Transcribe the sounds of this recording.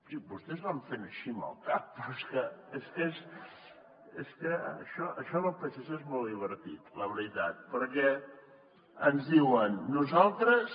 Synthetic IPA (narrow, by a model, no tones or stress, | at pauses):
sibust̪ɛzβaɱfenəʃimə̰lˠkap̚pɾeskəeskez | eskəʃɔʔəʃɔləpɛsesezmɔlˠd̪iβ̞əɾt̪it̪ləβəɾit̪at̪̚pəɾkɛ | ənzðiwənːuzalˠt̪ɾəs